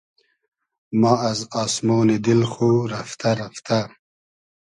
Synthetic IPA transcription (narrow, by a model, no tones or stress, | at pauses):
mɑːɐzɑːsmoːnid̪ilxuɾɐft̪aɾaft̪a